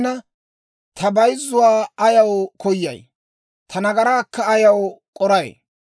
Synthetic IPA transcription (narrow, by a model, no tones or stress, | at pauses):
nɐ | t̪ʰɐbɐjɪzːʊwaːɐjɐwkʰɔjːɐ̰j | t̪ʰɐnɐɡɐɾaːkːɐːjɐwkʼɔɾɐj